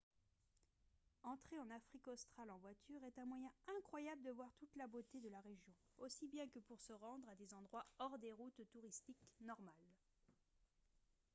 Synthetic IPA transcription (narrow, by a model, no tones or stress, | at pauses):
ɑ̃t̪χeɑ̃nafχikɔst̪χalɑ̃vwat̪yʁɛt̪ɛ̃mwajɛ̃ɛ̃kχwajabləd̪əvwaʁt̪ut̪labot̪ed̪əlaʁeʒjɔ̃osibjɛ̃kəpuʁsəʁɑ̃d̪ʁad̪ezɑ̃d̪ʁwaɔʁd̪eʁut̪ːuʁist̪iknɔʁmal